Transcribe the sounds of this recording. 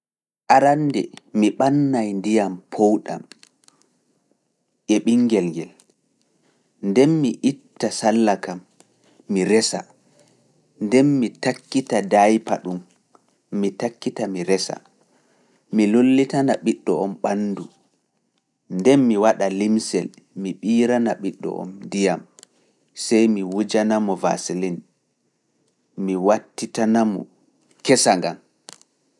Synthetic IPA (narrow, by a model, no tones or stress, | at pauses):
ʔaɾandɛ̰miɓanːajndijampʰowɗa̰m | ʔɛɓiŋːɡɛlŋɡɛl | ndɛnmiʔitːasalːakamː | iɾɛsa̰ | ndɛnmitakːitadajpa̰ɗumː | itakːitamiɾɛsa̰ | milolːitanaɓiɗːɔɔmɓanːdu | ndɛnmiwaɗalimsɛl | miɓiːɾanaɓiɗːɔ̰ʔɔ̰mndijam | sɛjmiwud͡ʒanamɔva̰silin | miwatːitanamɔ̰ | kɛsaŋɡam